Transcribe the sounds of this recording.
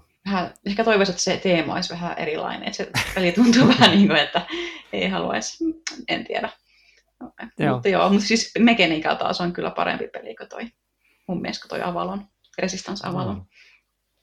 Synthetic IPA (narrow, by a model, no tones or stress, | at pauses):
ʋæhæehkæt̪oiʋɑset̪ːset̪eːmo̰isʋæɦæʔḛɾilɑ̰inḛn̰ːt̪sepelit̪unt̪uːʋæhæniːŋkoet̪ːæḛihɑlṵɑ̰isḛnt̪iædæ | oimmut̪ːjo̰ːmut̪sismekeniːkɑ̰lt̪ɑ̰ːsoŋkylːæpɑ̰ɾḛmpipelikot̪o̰i | humːiḛˑsko̥t̪o̰iʔɑʋɑ̰lon | resist̪ɑnsɑ̰ʋɑlon